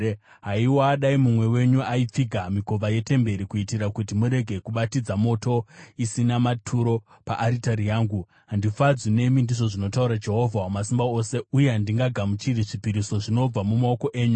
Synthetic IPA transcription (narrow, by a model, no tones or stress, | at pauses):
ɦaiwoaɗaimumwe̞we̞ɲuaip͡fiɡʱamiko̞vaje̞te̞mbe̞ɾikuitiɾakutimuɾe̞ɡʱe̞kuɓatid͡zamo̞to̞isinamatʰuɾo̞ | pa̰ʔaɾitaɾijaːŋɡu | ɦandifad͡zwine̞mindiʐo̞ʐino̞tauɾad͡ʒe̞ɦo̞vʱawamas̬imbao̞se̞ujeɦandiŋɡaɡʱamut͡ʃiriʐipiɾiso̞ʐino̞b͡vamumao̞ko̞ʔe̞ːɲu